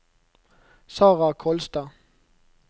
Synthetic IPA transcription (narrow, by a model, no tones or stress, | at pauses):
sɑːʁɑkʰɔlsd̪̥ɑ